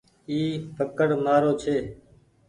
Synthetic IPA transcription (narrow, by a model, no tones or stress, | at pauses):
iːpʰəkəɽmaːɾoːt͡ʃʰeː